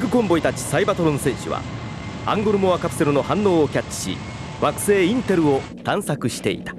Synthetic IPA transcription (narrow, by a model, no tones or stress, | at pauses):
ɡɯ̟kõ̞mbo̞it̪at͡ɕi̥saibat̪o̞ɾõ̞ɰ̃sẽ̞ɰ̃ɕɨ̰βa̰ | ã̰ŋɡo̞ɾɯ̟mo̞βakapɯ̟̥se̞ɾɯno̞hãnːo̞ːokʲat͡ɕːi̥ɕḭ | βakɯ̟̥se̞ːĩnt̪e̞ɾɯ̟o̞ | t̪ãɰ̃sakɯ̟ɕi̥t̪e̞̰ḭt̪ḁ